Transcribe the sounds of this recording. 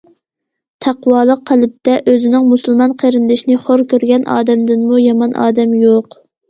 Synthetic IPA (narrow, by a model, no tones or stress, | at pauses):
t̪ʰæqwɑːlˠəqʰːælɪp̚t̪ːɛʔøzɪnɪŋmusɨlˠmɑnqʰeɾɪnd̪ɪʃinɪχoɾkʲøɾɡʲɛnʔɑ̰ːd̪ɛmd̪ɪnmujɑmɑnʔɑ̰ːd̪ɛmjoq